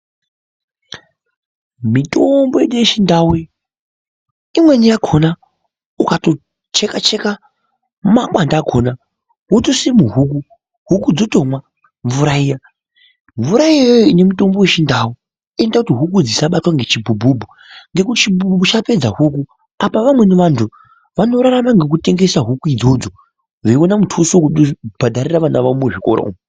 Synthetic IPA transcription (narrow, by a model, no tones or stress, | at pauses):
mitombojeɗujeʃindawi | imwe̞nijakʰona | ukato | t͡ʃekat͡ʃe̞ka | makwandaːkʰona | ɦutosimuɦuk̬u | ɦukud͡zoto̞mwa | ɱvuɾaiːja | ɱvuɾaijaojoine̞muto̞mbo̞we̞ʃindawu | e̞ndakutiɦuk̬ud͡zisaɓatwaŋɡe̞t͡ʃibubʱubʱu | ŋɡe̞kutit͡ʃibubʱut͡ʃape̞d͡zaɦuk̬u | apaʋamwe̞niʋantʰu | ʋano̞ɾaɾamaŋɡe̞k̬ute̞ŋɡe̞saɦukuid͡zo̞d͡zo | ʐeiwonamutʰusokuɗobʱadʱaɾiraʋanaʋamuʐiko̰ɾa̰ṵm